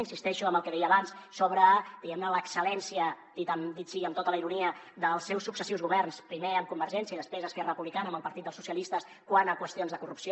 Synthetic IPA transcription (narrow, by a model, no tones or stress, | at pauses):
insist̪ɛʃuəmbəlˠkəðɛjəːβanssoβɾəd̪iɣɛmnələksəlɛnsiəd̪it̪əmd̪it̪siəmt̪ot̪ələiɾuniə | d̪əlˠsːɛwsuksəsiwzɣuβɛrnspɾimeəmkumbəɾʒɛnsjəiðəspɾezəskɛrəəpuβlikanəmbəlˠpəɾt̪it̪d̪əlˠsusjəlist̪əs | kwanəkwəst̪ionzðəkurupsio